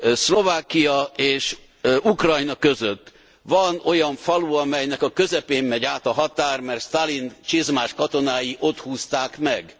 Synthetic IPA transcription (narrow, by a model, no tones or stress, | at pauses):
slo̞vaːkːijɒeːʃ | ukrɒjnɒkø̞zøt̪ː | ʋɒno̞jɒɱfɒluɒmɛjnɛkɒkø̞zɛpeːmːɛɟaːt̪ɒɦɒt̪aːrmɛrt̪st̪alint͡ʃizmaːʃkɒt̪o̞naːjiʔo̞t̪huːst̪aːkmɛɡ